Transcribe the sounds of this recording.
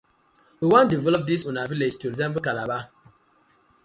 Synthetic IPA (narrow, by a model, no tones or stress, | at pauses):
wiwãndivɛlɔp̚disũnaviled͡ʒtuɾizɛ̃mbl̩kalaba